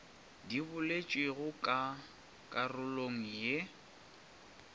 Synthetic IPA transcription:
diβʊlet͡ʃʼweɣʊkʼa | kʼarʊloŋ̩je

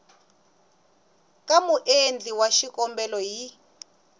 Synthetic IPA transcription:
kamuʔend͡ɮiwaʃikɔmbɛlɔɦi

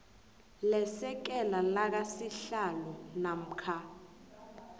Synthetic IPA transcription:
lɛsɛk̬ɛlalak̬asiɬalɔnam̩kʰa

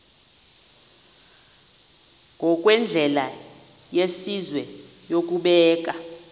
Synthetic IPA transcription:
ŋɡʱɔk̬ʼwɛnd͡ɮʱɛla | jesizwɛ | jok̬ʼuɓɛːk̬ʼa

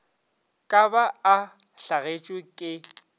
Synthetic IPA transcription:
kʼabaː | ɬaɣet͡ʃʼwɪkʼɪ

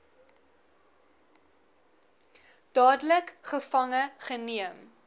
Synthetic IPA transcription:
d̥ɑːdələkχəfɐŋəχəniəm

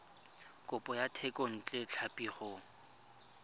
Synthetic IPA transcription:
kʼʊpʼɔjatʰɛkʼɔn̩t͡ɬʼet͡ɬʰapʼiːχɔ

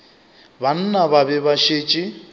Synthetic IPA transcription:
βan̩naβaβɛβaʃet͡ʃʼi

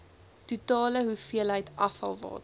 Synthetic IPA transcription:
tutɑːləɦufiəlɦəjtʔɐfɐ̰lˠvɑ̰ːt

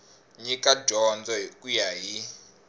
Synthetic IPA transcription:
ɲikaɟʱɔnd͡zɔikujaɦi

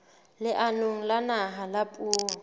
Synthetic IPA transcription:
lɪʔanoŋ̩lanaɦalapʼuːɔ

